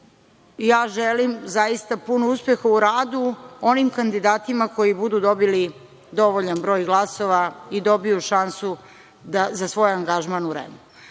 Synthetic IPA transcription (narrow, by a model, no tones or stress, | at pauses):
jaːʒelimzajist̪apunouspjexauɾaːd̪uo̞nimkand̪id̪aːt̪imako̞jibud̪ud̪o̞bili | d̪o̞ʋoʎanbɾo̞ːjɡlˠaso̞ʋaid̪o̞bijuʃansu | d̪azasʋo̞ːjaŋɡaʒmanuɾḛmu